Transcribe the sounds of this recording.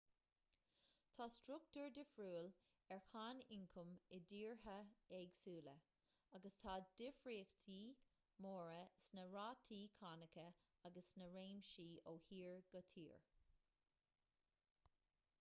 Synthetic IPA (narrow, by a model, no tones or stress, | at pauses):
t̪ʰaːstɾʊk̚t̪uɹd̪ɪfɹuːl | ɛɹxaːnɪŋkʰʊmɪdiːɹɦəɛɡsuːlə | aɡəst̪ʰaːd̪̥ɪfɹiːxt̪ʰiː | moːɹəsnəɹaːt̪ʰiːkʰanɪkə | aɡəsnəɹeːmʃiːoːhiːɹɡ̥ət̪ʰḭːɹ